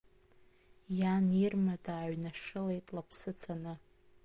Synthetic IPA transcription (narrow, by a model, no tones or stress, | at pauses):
janirmadaːɥnaʂɨle̞jtʼlapʰsɨt͡sʰanɨ